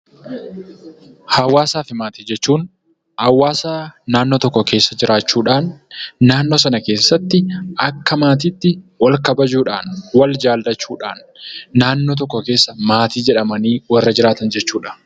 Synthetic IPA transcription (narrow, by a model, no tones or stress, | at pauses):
hɐwaːsaːfɪmaːt̪ɪ̥d͡ʒɛt͡ʃːuːn | hɐwaːsaːnaːnːot̪ɔkːɔke̞ːsːɐd͡ʒɪɾʔaːt͡ʃːuːᶑaːnːaːnːoːsɐnɐkeːsːɐt̪ːɪʔɐkːɐmaːt̪̬ɪːt̪ːɪwɐlkɐbɐd͡ʒuːᶑaːnwɐld͡ʒaːldɐt͡ʃːuːᶑaːnː | aːnːoːt̪ɔkːɔke̞ːsːɐmaːt̪iːd͡ʒɛᶑɐmɐniːwɐrːɐd͡ʒɪɾaːt̪ɐnd͡ʒɛt͡ʃːuːᶑɐ̥